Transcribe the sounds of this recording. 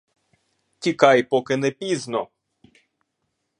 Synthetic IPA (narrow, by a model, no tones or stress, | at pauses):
tʲikɑjpɔkɪnɛpʲiznɔ